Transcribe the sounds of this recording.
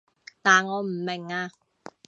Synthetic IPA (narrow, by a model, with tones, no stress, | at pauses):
t̪aː˨˩nŋɔː˨˧m̩˨˩mɪ˨˩ŋaː˧